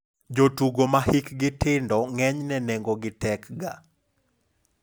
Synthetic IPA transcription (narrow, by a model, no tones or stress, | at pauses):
d͡ʒotuɡomahikɡɪtɪndɔŋɛɲnɛnɛŋɡɔɡɪtɛkɡa